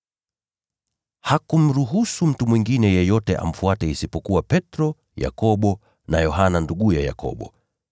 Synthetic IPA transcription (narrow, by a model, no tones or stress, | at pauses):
hakum̩ɾuɦusum̩tumwiŋɡinɛjɛjɔtɛʔa̰m̩fuatɛisipɔkuwapɛtɾɔ | ja̰kɔɓɔ | najɔɦananduɠujaja̰kʰɔ̰ɓɔ̰